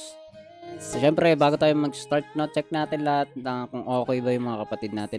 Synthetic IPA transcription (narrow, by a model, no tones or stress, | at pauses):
ʃɛmpɾɛbaːɡʊt̪aːjʊŋmɐɡ̚st̪aɹt̪̚nɐt͡ʃɛk̚naːt̪ɪnlɐhat̪̚nɐkʊŋʔoːkɛjbɐjʊŋmɐŋakɐpɐt̪id̪̚naːt̪ɪ